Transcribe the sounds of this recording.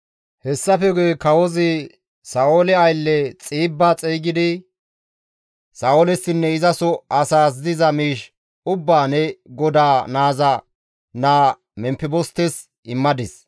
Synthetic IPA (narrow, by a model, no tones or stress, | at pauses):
hɛsːɐfɛɡɔjkɐwɔzɪ | saːʔolɛɐjlːɛt͡sʼiːbːaːt͡sʼɛːɡɪd̪ɪ | saːolɛsːɪnːɛɪzɐsɔɐsaːs̬d̪ɪzɐmiːʃ | ʊbːaːnɛɡɔd̪aːnaːzɐ | naː | mɛmpːɪbɔst̪ːɛs | ɪmːɐd̪ɪs